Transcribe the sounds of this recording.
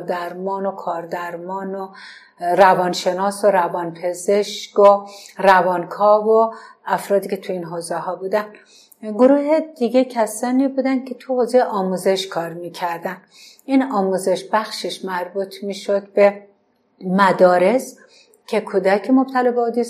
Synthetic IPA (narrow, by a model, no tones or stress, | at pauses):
ɾd̪æɾmɒːnokʰɒːɾd̪æɾmɒːno | ɾævɒːnʃe̞nɒːsoɾævɒːnpʰe̞zeʃkorævɒːnkʰɒːvo | æfɾɒːd̪iːkʲʰet̪ʰuiːnɦoːzehɒːbuːd̪æn | ɡoɾuːɦed̪iɡecʰæsɒːniːbuːd̪ænd̪̚kʲʰe̞t̪ʰuhozejʔɒːmuze̞ʃkʰɒːɾmiːcʰæɾd̪ænd̪ | iːnɒːmuze̞ʃbæxʃeʃmæɾbuːt̪ʰmiːʃod̪̚be̞ | mæd̪ɒːɾe̞s | kʲʰe̞kʰuːd̪ækʰemob̥̚t̪ʰælɒbeod̪is